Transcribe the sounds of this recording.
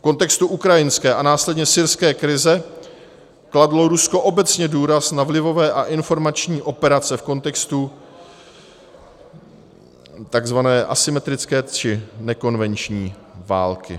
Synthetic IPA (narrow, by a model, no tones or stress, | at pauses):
fko̞nt̪ɛkst̪uʔukɾajɪnskɛːʔanaːslɛdɲɛsɪɾskɛːkɾɪzɛ | kladlo̞ɾusko̞ʔo̞bɛt͡sɲɛduːɾasnavlɪvo̞vɛːʔaʔɪnfo̞ɾmat͡ʃɲiːʔo̞pɛɾat͡sɛfko̞nt̪ɛkst̪u | t̪aɡzvanɛːʔasɪmɛt̪ɾɪt͡skɛːt͡ʃɪnɛko̞nvɛnt͡ʃɲiː | va̰ːlkɪ̰